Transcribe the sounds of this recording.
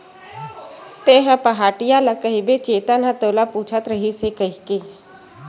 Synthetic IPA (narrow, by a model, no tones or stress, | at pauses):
t̪eːɦãpəɦaːʈijalakəɦibet͡ʃeːt̪anãt̪oːlapuːt͡ʃʰət̪ɾəɦisekəɦikeː